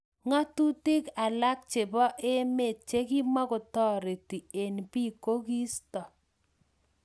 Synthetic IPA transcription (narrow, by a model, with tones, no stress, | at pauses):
ŋa˦tu˦tɪ˦ka˨la˦k̚t͡ʃe˨bɔ˦ʔe˦me˨t̚t͡ʃe˦ki˦ma˦kʊ˨tɔ˦ɾe˨ti˨e˨npi˦˨ko˦ki˦stɔ˨